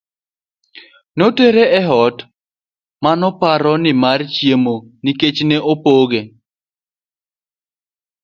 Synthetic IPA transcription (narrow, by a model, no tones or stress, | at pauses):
noteɾeʔɛɦɔt | manɔpaɾɔnɪmart͡ʃjemoniket͡ʃneʔopoɡe